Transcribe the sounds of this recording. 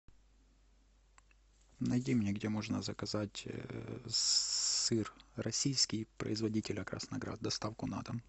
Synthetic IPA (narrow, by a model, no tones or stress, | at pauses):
nɐjdʲimʲnʲeɡdʲemo̞ʐnəzəkɐzatʲ | sɨrrɐsʲijskʲijpɾə̰ɪzvɐdʲitʲɪlʲəkɾɐ̰snɐɡɾa̰t̪̚d̪ɐst̪afkʊna̰t̪əm